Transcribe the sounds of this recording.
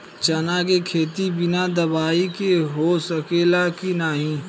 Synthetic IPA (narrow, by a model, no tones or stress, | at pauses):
t͡ʃɐnakekʰeːt̪ibɪnad̪ɐbaːikeɦosɐkeːlakinaːɦĩː